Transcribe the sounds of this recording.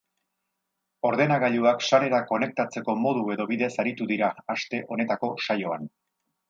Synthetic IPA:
o̞ɾðe̞naɣaʎuakʃaɾe̞ɾako̞ne̞k̚t̪at͡se̞ko̞mo̞ð̞ue̞ðo̞βiðe̞saɾit̪uðiɾaːst̪e̞ʔo̞ne̞t̪ako̞ʃajo̞an

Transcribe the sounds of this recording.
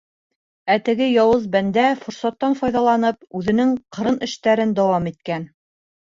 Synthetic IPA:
æt̪ɘ̆ɡɘjɑwɤzbænd̪æfŏɾsɑt̪ːɑnfɒjðɑlˠɑnɤpʉðɘ̆nɘŋqɤ̆ɾɤnɘ̆ʃt̪æɾɘnd̪ɑwɑmit̪̚kæn

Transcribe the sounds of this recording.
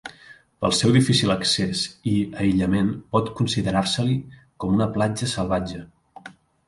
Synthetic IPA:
pə̰lˠsɛwðifisiləksesiəiʎəmenpɔt̪kunsiðəɾaɾsəli | kɔmunəplad͡ʒəsəlˠβad͡ʒə

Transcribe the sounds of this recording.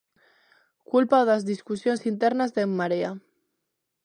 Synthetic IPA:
kulpaoðazðiskusjonsint̪eɾnazðemːaɾea

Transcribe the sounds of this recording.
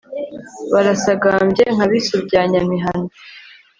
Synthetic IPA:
βaɾasaɡambjeŋ̥haβisubɟaːɲamiɦanu

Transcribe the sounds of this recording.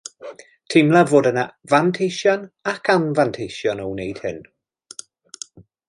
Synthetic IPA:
tʰɪmlˠavoːdənavantʰejʃjɔnakʰanvantʰejʃjɔnownejd̥hɪn

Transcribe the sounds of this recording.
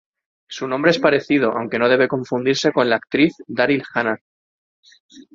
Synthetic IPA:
sunõmbɾeespaɾe̞θiðo̞ʔa̰wŋke̞no̞ðe̞β̞e̞kõ̞ɱfund̪iɾse̞ko̞nlaːk̚t̪ɾiθd̪aɾilxana

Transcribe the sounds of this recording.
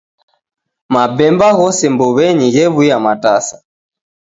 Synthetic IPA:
mabɛmbaɣɔsɛmbɔβɛɲiɣɛβujamatasḁ

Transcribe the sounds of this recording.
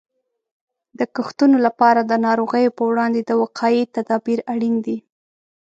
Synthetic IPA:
d̪̥əkəxt̪unolapɑɾad̪ənɑɾoɣəjopəwɽɑnd̪ed̪əwaqʰɑjit̪ad̪ɑbiɾaɽind̪i

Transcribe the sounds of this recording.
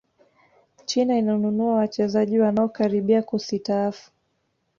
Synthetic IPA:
t͡ʃinainaɔnunuawat͡ʃɛzaʄiwanaɔkaɾiɓiakusitaafu̥

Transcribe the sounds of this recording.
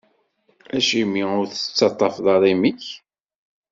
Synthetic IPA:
æʃimːiʊɾθət͡sːɑt̪ˤːɑfðˤɑɾˤimiç

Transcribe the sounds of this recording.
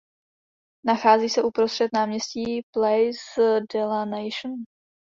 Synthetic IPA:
naxaːziːsɛʔupɾost̪r̥ɛt̪naːmɲɛsciːplɛjsdɛlanɛjʃn

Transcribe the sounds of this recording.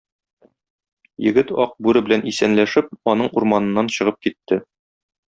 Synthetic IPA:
jɘ̆ɡɘt̪ɒq̚bʉɾɘbɘ̆lænisænlæʃɘp̚ɒnɤɴuɾmɑnɤ̆nːɑnɕɤ̆ʁɤp̚kit̪ːɘ

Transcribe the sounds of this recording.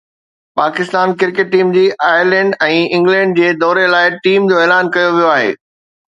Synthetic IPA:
paːkɪst̪aːnkɪɾkeʈ̚ːiːmd͡ʑiːʔaːjəɾlɛ̃ːɳɖɛ̃ːɪ̃ŋɡlɛ̃ɳɖd͡ʑeːd̪ɔːɾelaːɪʈiːmd͡ʑoeːlaːnkɐjoʋijoaːɦḛː

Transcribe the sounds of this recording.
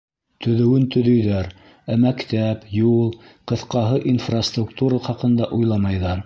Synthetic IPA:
t̪ɵ̆ðɘ̆wɘnt̪ɵ̆ðɵ̆jðæɾ | æmækt̪æpjulˠqɤ̆θqɑɦɤʔinfrast̪rukt̪uɾɑχɑqɤ̆nd̪ɑʔujlˠɑmɑjðɑ

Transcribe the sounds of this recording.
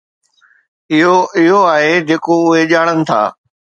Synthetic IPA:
ɪɦoɪɦoaːɦed͡ʑeːkoʊɦeʄaːɽ̃ənɪ̆t̪ʰa̰ː

